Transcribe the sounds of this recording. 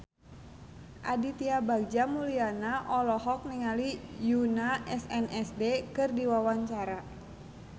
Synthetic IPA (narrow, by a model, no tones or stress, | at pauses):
ʔadit̪iabaɡ̚d͡ʒamulianaʔɔlɔɦɔk̚niŋalijunaʔɛsɛnɛsdekɨrdiwawaɲt͡ʃaɾa